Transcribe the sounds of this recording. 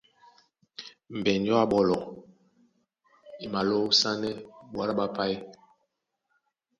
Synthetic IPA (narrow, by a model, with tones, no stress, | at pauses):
m̩˨bɛ˨nd͡ʒɔ˦a˦˨ɓɔ˨lɔ˨ | i˨ma˨lo˦sa˦nɛ˦ɓwa˦ɾa˦ɓa˦pa˦j